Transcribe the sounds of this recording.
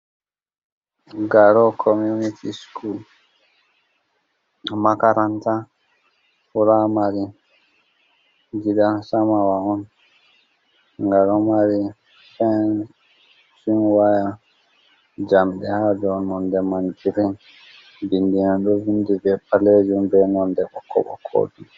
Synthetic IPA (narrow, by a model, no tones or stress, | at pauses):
ɡaɾɔkʰɔmjunitʰiskul | makaɾanta | fuɾamaɾi | d͡ʒiɗasamawaɔn | ŋɡalɔmaɾi | fɛn | sinwaja | d͡ʒamɗɛhad͡ʒɔnɔndɛmand͡ʒiɾin | bindinanɗɔvindibɛpaled͡ʒumbɛnɔndɛɓɔkʰːɔ̰ɓɔ̰kʰɔ̰du